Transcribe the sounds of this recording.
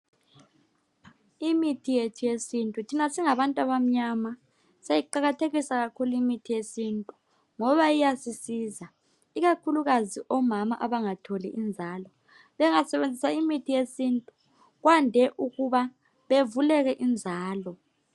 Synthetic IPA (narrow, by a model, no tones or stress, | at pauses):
imitʰijetʰujesintʼutʰinasiŋaβantʼaβam̩ɲama | sejiǃaɣatʰeɣisaɣakʰuluimitʰijesintʼu | ŋɔβajijasisiːza | iɣakʰuluɣaziʔɔmamaʔaβaŋatʰoliʔind͡zʱaːlɔ | βɛŋasɛβend͡zʱisaimitʰijesintʼu | ɣwandʱɛʔuɣuβa | βevulɛɣɛʔind͡zʱaːlɔ